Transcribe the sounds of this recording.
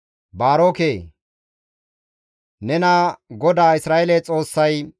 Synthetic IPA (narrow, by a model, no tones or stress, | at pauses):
baːɾoːkeː | nɛnaɡɔd̪aːɪsɾaːʔelet͡sʼo̞ːsːɐj